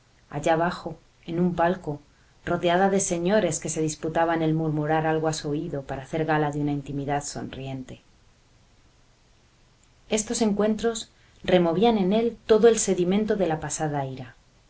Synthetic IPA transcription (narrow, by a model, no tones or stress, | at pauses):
a̰ʝaβ̞axo̞ | e̞numpalko̞ | ro̞ðeaðaðe̞se̞ɲo̞ɾe̞ske̞se̞ðisput̪aβane̞lmuɾmuɾaɾalɣoasuoiðo̞paɾaːθe̞ɾɣalaðjunaint̪imiðaðso̞̰nrie̞nt̪e̞ | e̞st̪o̞se̞ŋkwe̞nt̪ɾo̞s | re̞mo̞β̞iane̞ne̞lt̪o̞ðoe̞lse̞ðimẽnt̪o̞ðe̞lapasaðaeɾa